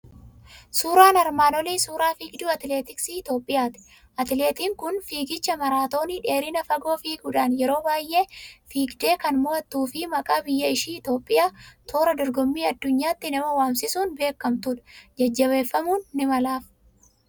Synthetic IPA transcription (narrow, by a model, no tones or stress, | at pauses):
suːɾaːnɐɾmaːnɔliːsuːɾaːfiːɡd̪uːɐt̪ɪleːt̪ɪksiːɪt̪o̞ːpʼːɪjaːt̪ɪ̥ | ʔɐt̪ɪle̞ːt̪iːŋkʊnfiːɡɪt͡ʃːɐmɐɾaːt̪o̞ːnɪᶑeːɾɪnɐfɐɡo̞ːfiːɡʊᶑaːnjɛɾo̞ːbaːjʔe̞ːfiːɡd̪e̞ːkɐnmʊɐt̪ːuːfɪmɐkʼaːbɪjːɐɪʃiːɪt̪o̞ːpʼːɪjaːt̪ʰo̞ːɾɐd̪ɔɾɡɔmːiːɐd̪ːʊɲːaːt̪ːɪnɐmɐwaːmsɪsuːnbe̞ːkːɐmt̪ʊᶑɐd͡ʒɐd͡ʒːɐβe̞ːfːɐmuːnːɪmɐlaːf